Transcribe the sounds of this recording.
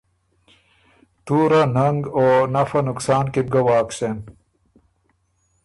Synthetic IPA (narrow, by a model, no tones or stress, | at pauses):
t̪uːɾanɐŋɡoːnɐfɐnʊksaːnkib̚ɡawaːksen